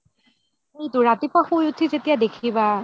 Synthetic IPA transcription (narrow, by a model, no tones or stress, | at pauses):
ejtuɹatipaxujutʰizetijadekʰiba